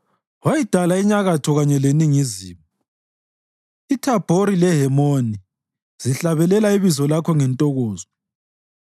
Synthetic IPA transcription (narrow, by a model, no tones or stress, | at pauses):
wajid̥ʱalaiɲaɣatʰɔɣaɲɛleniŋizḭːmɔ | itʰab̥ʱoɾilɛɦɛmoni | z̥iɬaβɛlɛlaiβizɔlakʰɔŋɛntʼɔɣɔːzɔ